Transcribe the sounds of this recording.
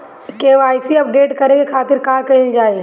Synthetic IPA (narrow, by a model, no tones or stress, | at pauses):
keʋaːɪsiɐpɖeːʈkɐɾeɡekʰaːt̪ɪɾkaːkɐild͡ʒaːe